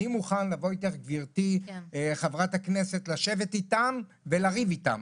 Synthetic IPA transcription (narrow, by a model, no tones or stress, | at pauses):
imuχanlavo̞it̪eχɡviʁt̪iχavʁathakne̞se̞t̪laʃe̞ve̞t̪it̪am | velaʁivit̪a̰m